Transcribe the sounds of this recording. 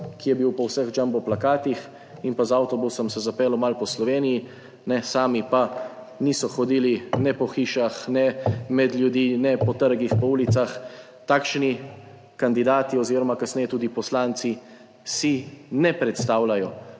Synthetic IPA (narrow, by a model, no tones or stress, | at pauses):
kijɛbiwpɔwsɛɣd͡ʒambɔplakaːt̪ix | inpazawt̪ɔbusɔmsɛzapɛːlɔmalpɔslɔʋeːniji | nɛsaːmipa | niːsɔxɔd̪iːlinɛpɔxiːʃaxnɛmɛd̪lʲjud̪iːnɛpɔt̪əɾɡixpɔuːlit̪sax | t̪aːkʃni | kand̪id̪aːt̪iɔziːɾɔmakasnɛjɛt̪uːd̪ipɔslaːnt̪si | sinɛpɾɛt̪st̪aːwlajɔ